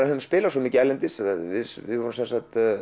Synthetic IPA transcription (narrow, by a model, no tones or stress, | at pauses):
ahʏspɪːlasɔmɪːcɪɛlːɛnt̪ɪsaavɪvɪðvɔɾʏmsɛnsat̪